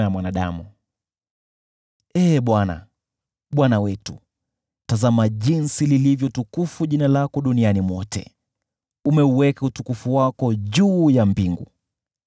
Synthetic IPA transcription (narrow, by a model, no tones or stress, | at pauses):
jamwanaɗa̰mu | ɛːɓwana̰ | ɓwanawɛtu | tazamaʄinsililivjɔtukufuʄinalakɔɗunianimwɔtɛ̰ | umɛuwɛkautukufuwakɔʄuːjambiŋɡṵ